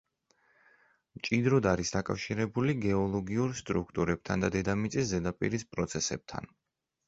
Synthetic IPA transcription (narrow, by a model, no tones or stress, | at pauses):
mt͡ʃʼid̪ɾɔd̪aɾisd̪akʼa̰fʃiɾɛbuliɡɛɔlˠɔɡiuɾst̪ʼɾukʰt̪ʼuɾɛb̥̚t̪ʰand̪ad̪ɛd̪amit̪sʼiszɛd̪apʼḭɾispʼɾɔt̪sʰɛsɛb̚t̪ʰa̰n